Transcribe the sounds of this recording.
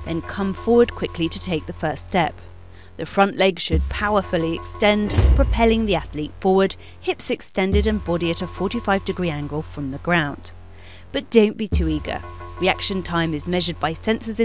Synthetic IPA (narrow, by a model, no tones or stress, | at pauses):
ðɨ̃nkʰʌ̃ɱfɔɹwə˞d̚kʰw̥ɪkliɾɨtʰeɪk̚ðɨfɜ˞ststɛp̚ | ðɨfɹʌ̃nʔlɛɡʃɨd̚pʰaʊə˞fl̩ˠiɨkstɛ̃ndpʰɹ̥ɨpʰɛlˠɪ̃ŋðiæθlitfɔɹwəd̥̚ | hɪpsɨkstɛ̃ndɨɾɨ̃nbɑɾiɨɾɨfɔɹɾifaɪvdɨɡɹiæ̃ŋɡl̩ˠfɹʌ̃mðɨɡɹãʊ̃n | b̥ʌt̚d̥õʊ̃nb̥itʰʉiɡə̰˞ɹiækʃɨ̃ntʰãɪ̃mɨzmɛʒə˞d̚baɪsɛ̃nsɨzɨ̃